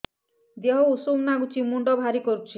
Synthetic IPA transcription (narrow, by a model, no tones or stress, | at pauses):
d̪eɦousumnaɡut͡ʃimuɳɖɔbʱaɾikɔɾut͡ʃʰi